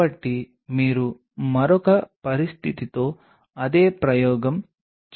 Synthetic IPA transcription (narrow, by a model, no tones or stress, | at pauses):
ɐʈːi | miːɾu | mɐɾɔkɐpɐɾist̪ʰit̪it̪o̞ː | ɐd̪eːpɾɐjɔːɡɐm | k